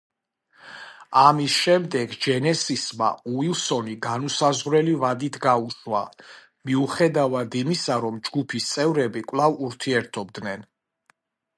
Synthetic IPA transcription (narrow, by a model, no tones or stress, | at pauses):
amisʃɛmd̪ɛɡd͡ʒɛnɛsisma̰uilˠsɔniɡanusazʁɾɛlivad̪it̪ʰɡauʃwa̰ | miuχɛd̪avad̪imisaɾɔmd͡ʒɡupʰist̪sʼɛvɾɛbikʼwlˠavuɾt̪ʰiɛɾt̪ʰɔb̚d̪nɛn